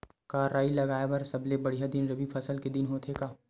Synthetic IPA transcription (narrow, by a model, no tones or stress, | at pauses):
kaːɾaːilɐɡaːeʋɐɾsɐblebɐɽijad̪ɪnɾɐbipʰɐsəlked̪ɪnɦoːt̪ʰekaː